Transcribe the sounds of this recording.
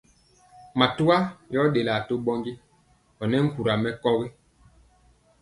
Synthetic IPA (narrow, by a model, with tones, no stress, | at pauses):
ma˨tu˦a˦jɔ˦ɗe˨la˨to˦ɓɔ˦ŋɡi˦ | ɔ˨nɛ˦ŋ̩˦ku˨ɾa˨mɛ˦kɔ˦ɣi˦